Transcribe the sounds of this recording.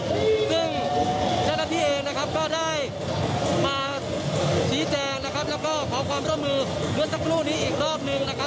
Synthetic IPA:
sɯ˥˩ŋt͡ɕaː˥˩wnaː˥˩t̪ʰiː˥˩ʔeː˧ŋna˦˥kʰa˦˥p̚kɔː˥˩daː˥˩j | maː˧ | siː˩˦t͡ɕɛː˧ŋna˦˥kʰa˦˥p̚lɛː˦˥w̚kɔː˥˩kʰɔː˩˦kʰwaː˧mɾu˥˩əmːɯː˧ | mɯ˦˥əsʰa˦˥kʰɾuː˥˩niː˦˥ʔiː˨˩k̚ɾɔː˥˩p̚nɯ˧ŋna˦˥kʰa˦˥p̚

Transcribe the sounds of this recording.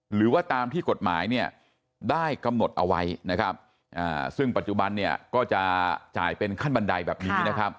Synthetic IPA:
ɾɯː˩˦waː˥˩t̪aː˧mt̪ʰiː˥˩ko˨˩t̪̚ma̰ː˩˦jni˥˩ɐ | daː˥˩jka˧mno˨˩t̪̚ʔa̰˧wa˦˥jna˦˥kʰa˦˥p̚ | ʔa̰ː˨˩sɯ˥˩ŋpa˨˩t̪̚t͡ɕu˨˩ba˧nːi˥˩ɐkɔː˥˩t͡ɕa˨˩ʔt͡ɕa̰ː˨˩jpe˧nkʰa˥˩nba˧nda˧jbɛː˨˩p̚niː˦˥na˦˥kʰa˦˥p̚

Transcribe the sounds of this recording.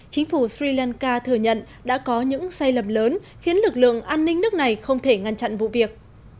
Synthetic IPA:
t͡ɕï˨˦ŋ̟fu˧˩swi˧laː˧nkaː˧t̪ʰɨ˧˩əɲə̰˧˨n | ɗa̰ː˧˥kɔ˨˦ɲɨ̰˧˥ŋsa˧jlə˨˩mləː˨˦n | xi˨˦ənlɨ˨˩k̚lɨ̰˧˨əŋʔaː˧nːï˧ŋ̟nɨ˦˥ək̚na˨˩jxə˧wŋ͡mt̪ʰe˧˩ŋa˧nt͡ɕa̰˧˨nvṵ˧˨vi˨˩ək̚

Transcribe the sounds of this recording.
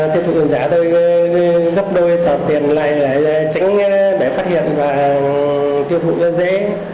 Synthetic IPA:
t̪i˧ət̪ṵ˧˨˩ki˨˩nzaː˧˩t̪o˧j | ɣə˦˥p̚ɗo˧jt̪ɔː˨˩t̪i˨˩ənla̰ː˧˨jlːt͡ɕa˨˦ŋ̟˧ɗe˧˩faː˦˥t̚hḭ˧˨ənvaː˨˩ | t̪i˧əwt̪ʰṵ˧˨˧zḛ˧˥

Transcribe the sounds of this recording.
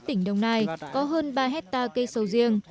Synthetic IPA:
t̪ï˧˩ŋ̟ɗə˧wŋ͡mnaː˧˩jkɔ˨˦ɦəː˧nɓaː˧ɦɛ˦˥t̚t̪aː˧kə˧jsə˨˧˩wzi˧əŋ

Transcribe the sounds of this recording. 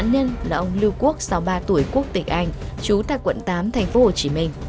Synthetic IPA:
nɲə˧nlaː˨˩ʔə˧wŋ͡mli˧wku˦˥ək̚sa˨˦wɓaː˧t̪u˧˩əjku˦˥ək̚t̪ï˨˩ŋ̟̚ʔa˧jŋ̟t͡ɕu˨˦t̪a̰ː˧˨jkwə̰˧˨nt̪aː˨˦mt̪ʰa˨˩jŋ̟fo˨˦ho˨˩t͡ɕi˨˦mï˧ŋ̟

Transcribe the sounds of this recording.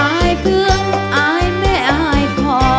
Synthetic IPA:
a˧˩jpʰɯ˧˩əŋ | ʔaː˧˩jmɛː˥˩ʔa˧˩jkʰɔː˧˦

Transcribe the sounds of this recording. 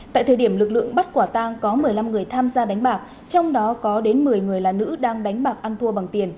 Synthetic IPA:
t̪a̰ː˧˨jt̪ʰəː˨˩jɗi˧˩əmlɨ˨˩k̚lɨ̰˧˨əŋɓa˦˥t̚kwaː˧˩t̪aː˧ŋkɔ˨˦mɨ˨˩əjla˧mŋɨ˨˩əjt̪ʰaː˧mzaː˧ɗa˨˦ŋ̟ɓaː˨˩k̚ | t͡ɕɔ˧wŋ͡mɗɔ˨˦kɔ˨˦ɗe˨˦nmɨ˨˩əjŋɨ˨˩əjlaː˨˩nɨ̰˧˥ɗaː˧ŋɗa˨˦jŋ̟ɓaː˨˩k̚ʔa˧nt̪ʰu˧əɓa˨˩ŋt̪i˨˩ən

